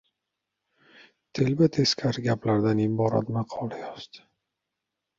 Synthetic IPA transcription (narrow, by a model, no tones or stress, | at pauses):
t̪ʰelbɪt̪ʰeskʲʰaɾɡʲaplaɾd̪anɪbɒɾa̰t̪maqʰɒlajɒz̥d̪̥ɪ̥